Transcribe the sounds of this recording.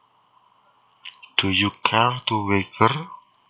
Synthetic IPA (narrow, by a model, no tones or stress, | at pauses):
d̪̥o̤jukʰat̪uwekər